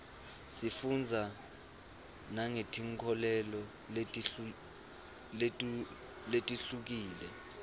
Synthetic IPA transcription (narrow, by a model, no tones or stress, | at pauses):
sifund͡zʱa | naŋetʰiŋkʰɔlɛlɔ | letʼ | letʼ | letʼiɬuk̬iːlɛ̰